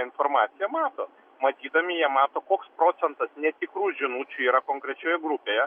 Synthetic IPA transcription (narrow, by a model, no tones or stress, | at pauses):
ɪnfoːrmɑːt̪sʲɪjɛmɑːt̪oː | mɐt̪ʲiːd̪ɐmʲɪjiɛmɑːt̪oːkoːkspɾoːt̪sʲɛnt̪ɐsnʲɛt̪ʲɪkɾuːʒʲɪnut͡ʃʲuiːɾɐkoːŋkɾʲɛt͡ʃʲoːjɛɡɾʊpʲeːjɛ